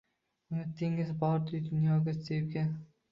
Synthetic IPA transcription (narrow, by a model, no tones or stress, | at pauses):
ʊnɪt̪ːɪŋɪzbɒɾd̪ʊjd̪ʊnjɒɡʲat̪epɡʲa